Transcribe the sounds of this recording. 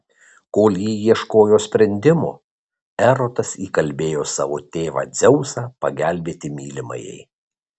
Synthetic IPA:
koːlʲjiːjiɛʃkoːjoːsʲpʲɾʲɛnʲd̪ʲɪmo̰ː | ɛɾot̪ɐsiːkɐlʲbʲeːjoːsɑ̰ːʋoːt̪ʲeːʋɑ̰ːd̪zʲɛʊsɑːpɐɡʲæˑlʲbʲeːt̪ʲɪmʲiːlʲɪmɐ̰jɛ̰ɪ

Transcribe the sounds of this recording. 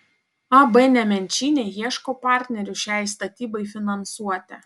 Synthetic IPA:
ɑbɛnʲɛmʲɛnʲt͡ʃʲiːnʲejiɛʃkoːpɑˑɾʲt̪ʲnʲɛɾʲʊʃʲæˑjst̪ɐt̪ʲiːbɐɪfʲɪnɐnsuɔt̪ʲɛ

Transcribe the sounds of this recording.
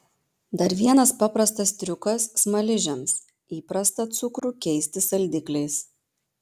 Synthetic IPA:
d̪ɐɾʋʲiɛnɐspɑpɾɐst̪ɐst̪ʲɾʲʊkɐsːmɐlʲɪʒʲɛms | iːpɾɐst̪ɐt̪sʊkɾuːkʲɛɪsʲt̪ʲɪsɐlʲˑd̪ʲɪklʲɛɪs

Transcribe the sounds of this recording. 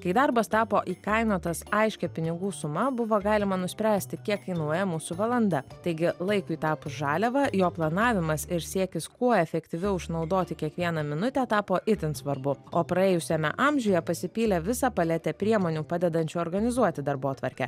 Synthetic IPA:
kɐɪd̪ɐɾbɐst̪ɑːpoːʔiːkɐɪnoːt̪ɐsɐɪʃʲkʲɛpʲɪnʲɪɡuːsʊmɐbʊʋoːɡɑːlʲɪmɐnʊsʲpʲɾʲæːsʲt̪ʲɪkʲiɛkkɐɪnuɔjɛmuːsʊʋɐlˠɐnd̪ɐt̪ɐɪɡʲɪlˠɐɪkʊɪt̪ɑːpʊsʒɑːlʲɛʋɐjoːplˠɐnɑːʋʲɪmɐsɪɾsʲiɛkʲɪskuɔɛfʲɛkt̪ʲɪʋʲɪʊʃnɒʊd̪oːt̪ʲɪkʲiɛkʋʲiɛnɐmʲɪnʊt̪ʲɛt̪ɑːpoːʔɪt̪ʲɪnsʋɐɾbʊoːpɾɐeːjʊsʲɛmʲɛ̰ʔɑmʲʒʲʊjɛpɐsʲɪpʲiːlʲɛʋʲɪsɑpɐlʲɛt̪ʲɛpʲɾʲiɛmoːnʲuːpɑːd̪ʲɛd̪ɐnʲt͡ʃʲuːɔɾɡɐnʲɪzuɔt̪ʲɪd̪ɐɾboːt̪ʋɐɾʲkʲɛ̰

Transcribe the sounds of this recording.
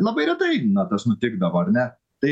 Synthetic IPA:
lˠɐbɐɪɾʲɛt̪ɐɪnɐt̪ɐsnʊt̪ʲɪɡd̪ɐʋoɐɾnʲɛ | t̪ɐɪ

